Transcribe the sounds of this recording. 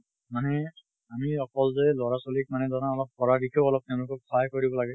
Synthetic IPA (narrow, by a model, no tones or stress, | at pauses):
manɛ | amiɔkɔlzɛlɔɹasolik̚manɛdɔnaɔlɔp̚kɔɹadikʰɛʊɔlɔp̚tɛʊ̃lʊkɔk̚kʰajkoɹibɔlaɡɛ